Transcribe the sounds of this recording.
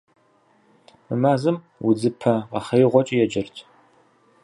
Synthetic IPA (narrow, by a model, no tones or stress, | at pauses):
mɨmaːzɨm | wʊd͡zɨpʰɐʁɐχejʁʷɔt͡ʃʼijɛd͡ʒɐrtʰ